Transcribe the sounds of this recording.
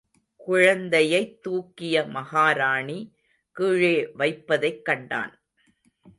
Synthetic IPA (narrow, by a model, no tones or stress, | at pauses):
kʊɻɐnd̪ɐjɐɪt̪ːuːkːɪjɐmɐhaːɾaːɳi | kɯːɻeːʋɐɪpːɐðɐɪkːɐɳɖa̰ːn